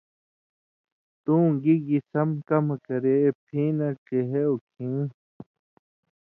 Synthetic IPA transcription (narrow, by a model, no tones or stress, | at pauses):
t̪ũːɡiɡisɐmkɐmakɐɾeːp̚t̪ʰĩːnakeɦeokʰĩː